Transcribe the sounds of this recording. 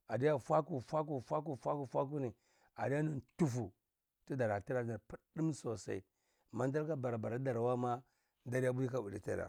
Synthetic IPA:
a˨di˦ja˦fʷa˦ku˨fʷa˦k̬u˨fʷa˦k̬u˨fʷa˦ku˨fʷa˦k̬u˦ni˨ | a̰˨di˦ja˦nu˨ntu˦fu˨ | ti˦da˨ɾa˨ti˦ɾa˨˦na˨pu˦də˦mso˨sa̰˦i˦˨ | ma˦n˦da˦ɾka˦ba˨ɾa˨ba˨ɾa˨˦da˨ɾwa˦ma˦ | nda˦ɾi˦ja˦bu˦ji˦ka˦u˨li˨tḭ˦ɾa̰˨

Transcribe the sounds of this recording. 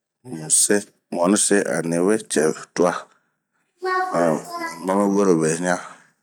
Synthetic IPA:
mũ˨se˦ | m˨ɔ̃˨nɪ̃˦se˦ʔa̰˨nẽ˨˦we˦t͡ʃɛ˨tu˦a˦˨ | mã˦me˦wo˦ɾo˨be˨˦ɲã˦

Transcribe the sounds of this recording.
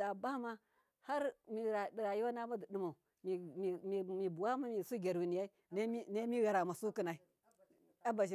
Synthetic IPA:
a˨ba˦ma˦ | ha˦ɾmi˨ɾa˨di˨ɾa˨ji˦wa˦na˦ma˦di˨ɗi˨ma˨u˨ | mi˨i˨m˨mi˨bu˨wa˦ma˦mi˨su˦ɡʲe˨ɾwi˨ni˨ja˦i˦n˦mi˦ne˦mi˦ɣa˨ɾa˨ma˨su˦ki˦na˨i˦ | a˦ba˨ʃi˨

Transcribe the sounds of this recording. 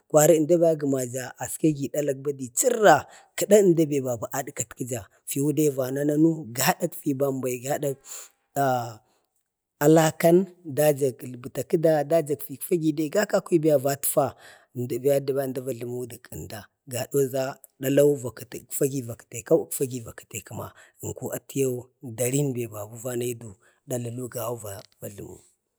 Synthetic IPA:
kwa˨ɾi˦˨nda˦ba˦ɡə˨ma˨d͡ʒa˨a˨ska˦ɡi˨da˦la˦k̚ba˦di˨t͡ʃi˦ɾa˨ | kə˨da˦ə˦nda˦be˨ba˨ba˨ʔa˦dka˨tki˦d͡ʒa˨ | fi˨wu˦de˦va˨na˦na˦nu˦ɡa˦ɗa˦kfi˨ba˨mba˨i˨ɡa˦da˦˨ | a˨la˦ka˦nda˦d͡ʒa˨kbə˨ta˨ki˦da˦da˦d͡ʒa˨kfi˨kfa˦ɡi˦de˦ɡa˦ka˦kʷi˦bi˦ja˦va˦tfa˦˨ | nda˨bi˨˦ja˦di˨ba˦nda˦va˨ɬu˨mu˦di˨kə˨nda˨ | ɡa˨ɗo˦za˦ | da˦la˦u˦va˨ktkfa˦ɡi˦va˨ki̥˨te˨ka˦kfa˦ɡi˨va˨ki̥˨te˨kə˨ma̰˨ŋ˨ku˦ʔa˨ti˦ja˦u˦da˨ɾi˦nbe˨ba˨ɡu˦va˦na˦i˦du˨ | da˨la˨lu˦ɡa˨u˦va˨va˨ɮṵ˨mṵ˦

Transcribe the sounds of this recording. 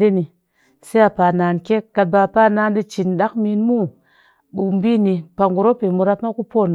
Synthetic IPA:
de˦ni˨ | se˦a˨pa˨naː˨nke˦ka˧t̚ba˧pa˦na˧˦ndi˧t͡ʃi˨nɗa˦kmi˧nmu˦˨ | ɓu˨m˦bi˦ni˧pa˧ŋɡu˨ɾo˦pe˨mu˧ɾa˧pma˦ku˦po˦˨n

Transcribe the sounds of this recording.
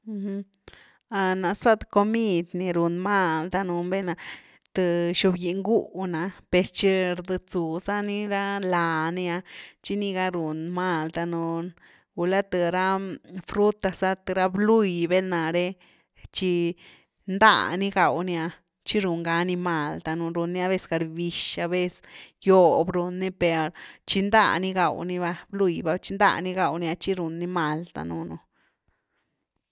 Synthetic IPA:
h | a˧na˨sa˦t̪ko˧mi˦d̪ni˧ɾu˨nma˦˧ld̪a˧nu˧mbe˦na˧ | t̪ɨ˧ʃu˧bji˧˨ŋɡu˦˧na˨pe˧st͡ʃi˦ɾd̪ɨ˧t͡su˨sa˦ni˦ɾa˦la˨ni˧a˧t͡ʃi˦ni˧ɡa˧ɾu˨nma˦˧ld̪a˧nu˧n | ɡu˧la˦t̪ɨ˨ɾa˦fɾu˦t̪a˧sa˦t̪ɨ˧ɾa˦blu˦˧jbe˦lna˨ɾe˦ | t͡ʃi˧ | nd̪a̰˧˨ni˦ɡa˨wnja˧ | t͡ʃi˦ɾu˧ŋɡa˧˦ni˧ma˨lt̪a˧nu˧ɾu˧nːi˧˦a˧βe˦sɡa˧ɾbi˧ʃa˧be˦sjo˧bɾu˧ni˦pe˨ɾt͡ʃi˧nd̪a̰˦˨ni˧ɡa̰˨wni˧βa˧blu˦˧jba˧t͡ʃi˧nd̪a̰˧ni˧ɡa˧wn˧a˧t͡ʃi˦ɾu˨nːi˦ma˨lt̪a̰˧nu˧nu˧

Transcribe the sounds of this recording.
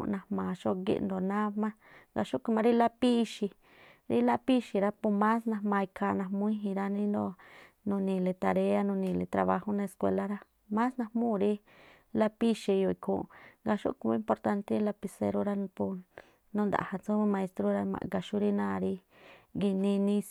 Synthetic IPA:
nã˧hmãː˨ʃo˦ɡḭ˧ʔnd̪o˨nã˦mã˦ | ɡa̰˧ʃu˦ku˧mã˧ɾi˦la˦pi˦˧ʃi˧ | ɾi˦la˦pi˦ʃi˧ɾa˦pu˧mã˦snã˧hmã˧i˧kʰa˧˨nã˧˨mũ˦ĩ˦ɦĩ˧ɾa˧nĩ˦nd̪o˧ | nũ˧nĩ˧le˧t̪a˧ɾe˧a˦nũ˧nĩ˧˨le˧t̪ɾa˧βa˧ho˦nã˧e˧skwḛ˧la˦ɾa˦ | mã˦snã˧mũ˦˨ɾi˦ | la˦pi˦ʃi˧jo˧i˧kʰṵ̃˧˨˧ŋɡa˧ʃṵ˦ku˧mã˧˦mpo˧ɾt̪a˧nt̪e˦i˦la˧pi˧sḛ˧ɾo˦˧ɾa˦n˧pu˧ | nũ˦nd̪a̰˨ha˧t͡sũ˦βmã˧e˧st̪ɾo˦ɾa˧mã̰˧ɡa˧ʃu˦ɾi˦nã˦˨˧ɾi˧ | ɡi˧nĩ˧nĩ˧s

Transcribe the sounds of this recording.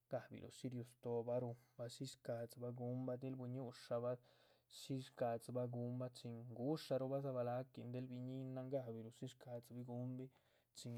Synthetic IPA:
ɡ̥a˦bḭ˨lʔṵ˨ʃi˦ɾjo˧st̪o˧ba˧˦ɾu˧ba˧ʃi˦ʂka˨t͡sba˦ɡu˦mba˦d̪e˦lbu˧ɲu˦ʂa˧ba˦ | ʃi˦ʂka˧t͡sba˧˦ɡu˧˦mba˦t͡ʃi˧ŋɡu˦ʂa˧ɾu˧ba˦sa˧βa˧la˦ki˧nd̪e˦lbi˧ɲi˦na˧ŋɡa˦bi˨ɾu˨ʃi˦ʂka˧t͡sbi˧ɡu˧˦mbi˦ | t͡ʃi˧ŋ

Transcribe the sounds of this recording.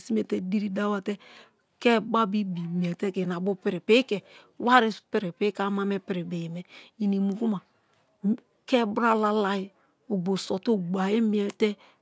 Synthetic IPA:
si˦m˦e˨te˦di˦ɾi˦da˦wa˦tɛ˦ | kɛ˦ba˦bi˦bi˨mi˨ɛ˨tɛ˦kɛ˨na˨bʊ˦pɪ˨ɾɪ˨pɪ˦kɛ˨ | wa˦ɾɪ˦pɪ˨ɾɪ˨pɪ˦ka˦ma˦me˦pɪ˨ɾɪ˨be˨jmɛ˨i˨ni˨mu˨ku˦ma˨ | kɛ˦bɾa˦la˦la˦jɪ˦ | o˨ɡ͡bo˨sɔ˨tu˦˨ɡ͡ba˨je˦mi˦ɛ˨tɛ˦

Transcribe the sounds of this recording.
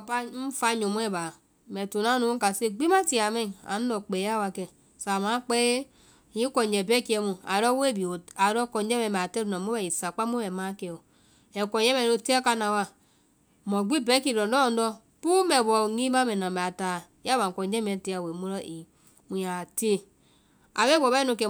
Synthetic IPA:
pa˦m̩˦fa˦ɲo˨m˦e˦˨ba˨ | me˨tu˨na˦nu˦ka˨se˦ɡ͡bi˦ma˦ti˨a˨me˦a̰˨n˦do˨k͡pe˨ja˦wa˨ke˨ | sa˨ma˨˦k͡pe˦˨ | ji˦ko˨d͡ʒe˨be˦ki˦e˦mo˨a˨ɾo˦we˦bi˨o˨a˨ɾo˦ko˨n˦d͡ʒe˦me˨m˨a˨te˦ɾno˨mo˦e˨i˨sa˨k͡pa˦mo˦me˨ma˦ke˨o˨ | e˨ko˨je˦me˨no˨te˦a˦ka˦na˨wa˦ | mo˨ɡ͡bi˦be˦ki˨ɾo˨n˦do˦˨n˦dɔ˦ | pu˦me˨bo˨ŋi˦ma˦me˨no˨me˨a˨ta˨ | ja˦ba˨ko˨n˦d͡ʒe˦me˨te˦a˨we˨mu˦ɾo˦ʔi˨ | mu˨a˨te˦ | a̰˨βe˦bo˨be˦nu˨ke˨

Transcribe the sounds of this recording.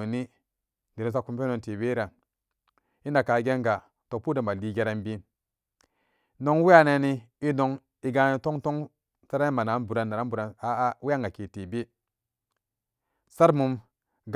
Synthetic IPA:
ni˦ | ɡe˨ɾo˨sa˦ku˦mpe˦no˨te˨be˦ɾa˨ | i˦na˨ka˨˦ɡe˦ŋɡa˨ | to˨k̚pu˦de˨mba˨li˨ɡe˦ɾa˦nbi˦ | no˦ŋwi˦ja˦ne˦ni˦ | i˦no˦ŋ | i˨ɡa˦ni˨to˦ŋto˦ŋ | ta˦ɾa˦n˦ma˨na˨˦nbu˨ɾa˨nːa˨ɾa˦bu˨ɾa˨na˦wi˦a˦ŋɡa˨ke˨te˨be˦ | sa˦ɾmu˨m | ɡ

